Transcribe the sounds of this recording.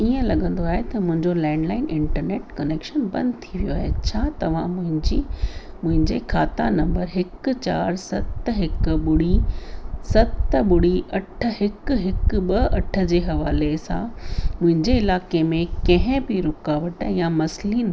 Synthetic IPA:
iə̃lɐɠə̃nd̪oaːɦet̪ɐmʊ̃ɦɪ̃ɲd͡ʑolɛ̃ːɳɖlaːɪnʔɪ̃ɳʈəɾneːʈkɐneːkʃənbɐ̰̃nd̪t̪ʰiʋijoaːɦet͡ɕʰaːt̪ɐʋ̤ã̰mʊ̃ɦɪ̃ɲd͡ʑi | mʊ̃ɦɪ̃ɲd͡ʑekʰaːt̪anɐ̃mbəɾɦɪkʊ̆t͡ɕa̰ːɾsɐt̪ɦɪkʊ̆ɓʊɽi | sɐt̪ɓʊɽiʔɐʈʰə̆ɦɪkʊ̆ɦɪkʊɓɐɐʈʰə̆d͡ʑeːɦɐʋaːlesã̰mʊ̃ɦɪ̃ɲd͡ʑeɪlaːkemẽkɐ̃ɦɪ̃bɪɾʊkaːʋəʈjamɐsliːn

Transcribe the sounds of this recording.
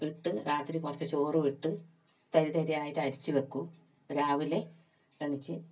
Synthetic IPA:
iʈːɨɾaːt̪ɾikurɐt͡ɕːɐt͡ɕo̞ːrɨʋiʈːɨ | t̪ɐɾiðɐɾijaːjitːɐɾit͡ɕːɨʋekːu | ɾaːʋile̞ | rɐŋit͡ɕːɨ

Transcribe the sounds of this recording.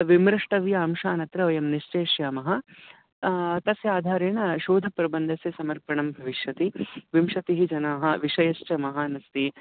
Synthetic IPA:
ʋimɾɐʂʈɐʋjɐːmʃaːnɐt̪ɾɐʋɐjɐmniʃt͡ʃeːʃjaːmɐɦɐ̆ | t̪ɐsjaːd̪ʱaːɾeːɳɐʃoːd̪ʱɐpɾɐbɐnd̪ʱɐsjɐsɐmɐɾpɐɳɐmbʱɐʋiʃjɐt̪iʋimʃɐt̪iɦid͡ʒɐnaːɦɐ̆ʋiʃɐjɐʃt͡ʃɐmɐɦaːnɐst̪i

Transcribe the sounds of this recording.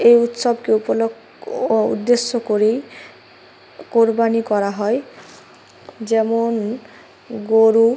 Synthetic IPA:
ejut̪sɔbkeupolo | ṵd̪ːesːokoɾej | koɾbanikɔɾaɦɔe | d͡ʑɛmon | ɡoɾu

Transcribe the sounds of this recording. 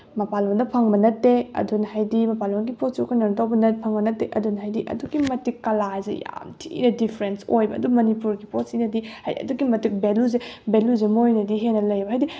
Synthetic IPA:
mɐpalondɐpʰaŋbɐnɐtːeɐ̰dunhajdimɐpalonɡipot̚sokʰɐnɐnɐtawbɐnɐtpʰaŋbɐnɐtːeʔɐdunɦajdiʔɐ̰duɡimɐtikːɐlazḛja̰mtʰḭnɐdipʰɾensojbɐɐ̰dumɐnipuɾɡipot̚sinɐdihajdiɐ̰duɡimɐtik̚beluzebeluzemojnɐdiɦenɐlɐjbɐɦajdi

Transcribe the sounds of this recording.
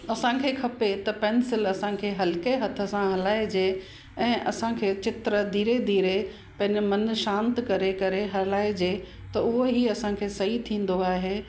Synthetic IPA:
ɐsãkʰeːkʰɐpet̪ɐpɛːnsɪlɐsãkʰeːɦɐlɪkeɦɐt̪ʰə̆sãɦɐlaːed͡ʑeː | ɛ̃ːʔɐ̰sãkʰeːt͡ɕɪt̪ɾəd̪ʱiːɾed̪ʱiːɾe | pɐ̃ɦɪ̃ɲd͡ʑmɐnʃãːnt̪kɐɾekɐɾeɦɐlaːed͡ʑeː | t̪ɐʊɦoɦiɐsãkʰeːsɐɦit̪ʰĩːn̆d̪oaːɦeː

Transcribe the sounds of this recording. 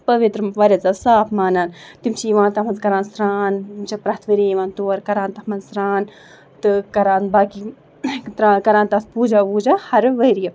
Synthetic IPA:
pɐʋit̪ɾɐmʋɐɾʲɐt͡saːsaːpʰmaːnaːnt̪imt͡ʃʰiiʋãːnt̪ɐmɐnkɐɾaːnsɾaːnmt͡ʃʰipɾɐɦt̪ʰʋɐɾeiʋaːnt̪uːɐɾkɐɾaːnt̪ɐhmɐnsɾaːn | t̪ɨkɐɾaːnbaːki | t̪ɾaːkɐɾãːnt̪ɐt̪puːd͡ʒaːʋuːd͡ʒaːhɐɾʋɐːɾijɐ

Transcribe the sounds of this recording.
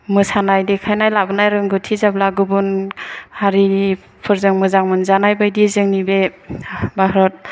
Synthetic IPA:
mɯsanajdikʰajnajlabɯnajɾɯŋɡɯtʰizablaɡɯbunhaɾii | pʰɯɾzɯŋmɯzaŋmɯnzanajbajdizɯŋnibe | baɦɾɔt̚

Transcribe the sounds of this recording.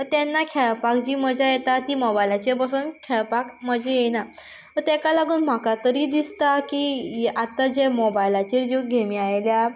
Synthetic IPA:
ət̪ɛnːakʰɛɭpak̚d͡ʑiːm̤əd͡ʑʱajet̪at̪imɔbajlat͡ɕebəsənkʰɛɭpakm̤əd͡ʑejena | t̪əɾt̪ɛkalaɡuːnm̤akat̪əɾiːd̪ist̪akijʔat̪ːad͡ʑemɔbajlat͡ɕeɾd͡ʑeɡʱemiajlja

